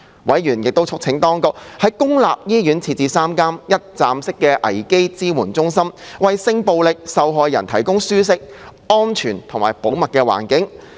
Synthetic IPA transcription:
wɐ˨˥jɥyː˨˩njɪ˨k̚t̪o˥wt͡sʰʊ˥k̚t͡sʰɪ˨˥ŋt̪ɔː˥ŋkʊ˨k̚hɐ˨˧jkʊ˥ŋla̰ː˨p̚jiː˥jyː˨˥nt͡sʰiː˧t̚t͡siː˧saː˥mkaː˥mjɐ˥t̚t͡saː˨˧msɪ˥kːɛː˧ʔɐ˨˩jke˥jt͡siː˥muː˨˩nt͡sʊ˥ŋsɐ˥mwɐ˨jsɪ˧ŋpo˨˧wlɪ˨k̚sɐ˨˧wɦɔː˧jːɐ̰˨˩nt̪ʰɐ˨˩jkʊ˥ŋsyː˥s̬ɪ˥k̚ | ɔː˥nt͡ʃʰyː˨˩nt̪ʰʊ˨˩ŋmaː˨˩jpo˨˥wmɐ˨t̚kːɛː˧wa̰ː˨˩nkɪ˨˥ŋ

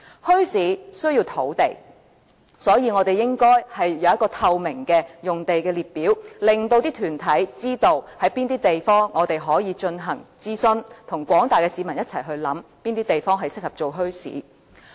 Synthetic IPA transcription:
hɵ˥ɥsiː˨˥sɵ˥ɥjiː˧wt̪ʰo˨˥wt̪e˨j | sɔː˨˥jiː˧ŋɔː˨˧t̪e˨jɪ˥ŋkɔː˥jhɐ˨jːɐ˨˧wjɐ˥t̚kːɔː˧t̪ʰɐ˧wmɪ˨˩ŋkɛː˧jʊ˨ŋt̪e˨jkɛː˧liː˨t̚piː˨˥wlɪ˨ŋt̪o˧wt̪iː˥t̪ʰyː˨˩nt̪ʰɐ˨˥jt͡siː˥t̪o˧whɐ˨˥jpiː˥nt̪iː˥t̪e˨jfɔː˥ŋːɔː˨˧t̪e˨jɦɔː˨˥jiː˨˧t͡ʃɵ˧nɦɐ˨˩ŋt͡siː˥sɵ˥nt̪ʰʊ˨˩ŋkʷɔː˨˥ŋt̪aː˨jkɛː˧siː˨˧mɐ˨˩njɐ˥t̚t͡sʰɐ̰˨˩jɦɵ˧ɥlɐ̰˨˥mpiː˥nt̪iː˥t̪e˨jfɔː˥ŋɦɐ˨jsɪ˥k̚hɐ˨p̚t͡ʃo˨wɦɵ˥ɥsḭː˨˥

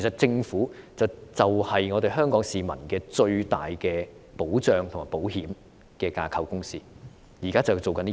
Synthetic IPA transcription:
kʰe˨˩sɐ˨t̚t͡sɪ˧ŋfuː˨˥t͡sɐ˨wt͡sɐ˨whɐ˨jŋɔː˨˧d̪e˨jɦœː˥ŋkɔː˨˥ŋsiː˨mɐ̰˨˩nkɛː˧t͡ʃɵ˧ɥt̪a̰ː˨jkɛː˧ | po˨˥wt͡ʃœː˨ŋt̪ʰʊ˨˩ŋaː˨˩po˨˥wɦiː˨˥m | kɛː˧ka̰ː˧kʰɐ˧wkʊ˥ŋsiː˥ | jiː˨˩kaː˥t͡sɐ˨wt͡so˨wkɐ˨˥n

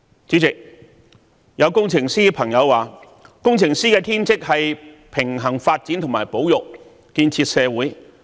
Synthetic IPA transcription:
t͡siː˨˥t͡sɪ˨k̚ | jɐ˨˧wkʊ˥ŋt͡sʰɪ˨˩ŋsiː˥pʰɐ˨˩ŋjɐ˨˧wːaː˨˩ | kʊ˥ŋt͡sʰɪ˨˩ŋsiː˥kɛː˧t̪ʰiː˥nt͡sɪ˥k̚hɐ˨jpʰɪ˨˩ŋɦɐ˨˩ŋfaː˧t̚t͡siː˨˥nt̪ʰmaː˨˩jpo˨˥wjʊ˨k̚ | kiː˧nt͡sʰiː˧t̚sɛː˨˧wuː˨˥j

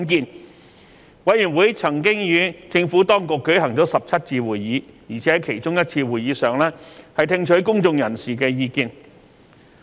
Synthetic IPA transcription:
nkiː˧n | wɐ˨˥jy˨˩nwuː˨˥jt͡sʰɐ˨˩ŋkɪ˥ŋjyː˨˧t͡sɪ˧ŋfuː˨˥t̪ɔː˥ŋkʊ˨kːɵ˨˥ɥɦɐ˨˩ŋt͡sɔː˨˥sɐ˨p̚t͡sʰɐ˥t̚t͡siː˧wuː˨jːiː˨˥jiː˨˩t͡sʰɛː˨˥ɐ˨kʰe˨˩jt͡sʊ˥ŋjɐ˥t̚t͡sʰiː˧wuː˨jiː˨˥sœː˨ŋlɛː˥hɐ˨jt̪ʰɪ˧ŋt͡ʃʰɵ˨˥ɥkʊ˥ŋt͡sʊ˧ŋjɐ˨˩nsiː˨kɛː˧jiː˧kiː˧n

